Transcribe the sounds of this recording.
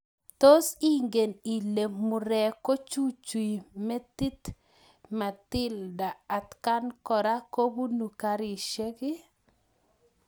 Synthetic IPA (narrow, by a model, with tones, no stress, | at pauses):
to˦si˦ŋɡe˨ni˨leː˨ʊ˨ɾɛ˨ko˦t͡ʃu˦t͡ʃu˨i˨me˦t̪i˦t̪ | ma˨t̪ɪ˦ldaː˨t̪ka˦nkɔ˨ɾa˦ko˦bu˦nu˨ka˦ɾi˨ʃe˦kɪ˦